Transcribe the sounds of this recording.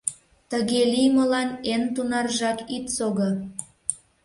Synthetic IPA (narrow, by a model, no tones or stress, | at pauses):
t̪əɣelʲijməlɑnent̪unɑrʒɑkit̪soɣɤ̆